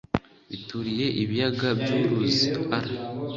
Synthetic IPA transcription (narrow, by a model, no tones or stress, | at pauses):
βituɾije̞ʔiβijaɡabjuːɾuziaɾa